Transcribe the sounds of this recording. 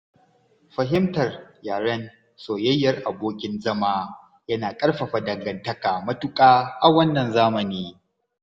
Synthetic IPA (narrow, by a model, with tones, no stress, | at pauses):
ɸɐ˨ɦɪ˦mtɐ˨rjaː˨ɽɐ˦n | soː˨jɐ˦jːɐ˨rʔa˨boː˦kʲɪ˦nzɐ˦maː˦ | jɐ˦naː˨kʼɐ˦rɸɐ˨ɸa˨dɐ˨ŋɡɐ˨ntɐ˦kaː˨mɐ˦tʊ˦kʼaː˦ʔa˨wɐ˦nːɐ˨nzaː˦mɐ˨niː˦